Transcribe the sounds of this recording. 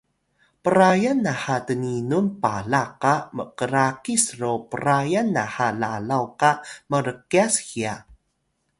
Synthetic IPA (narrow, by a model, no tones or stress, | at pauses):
pəɾajanːahatəninunpalaqamə̰kəɾakisropəɾajanːahalalawkaməɾəkiashia